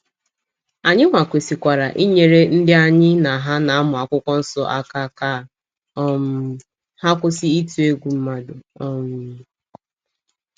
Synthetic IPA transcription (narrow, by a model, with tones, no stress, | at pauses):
a˨ɲɪ˦ŋʷa˨kʷe˨si˨kʷa˨ɾa˨ʔi˦ɲe˨ɾe˦n̩˦dɪ˦a˦ɲɪ˦na˨ɦa˦na˨a˦mʊ˨a˨kʷʊ˦kʷɔ˦n̩˦sɔ˦ʔa˦ka˦ka˦˨ | ɔ˦m˦ | ha˦kʷʊ˦si˦i˦tu˨e˦ɡʷu˨m̩˦ma˨dʊ˨ɔ˦m˨